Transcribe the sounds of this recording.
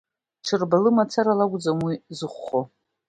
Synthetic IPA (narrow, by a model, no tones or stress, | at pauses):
ʈ͡ʂʰɨrbalɨmat͡sʰaɾalaɡʷʊd͡zamwizɨχʷːo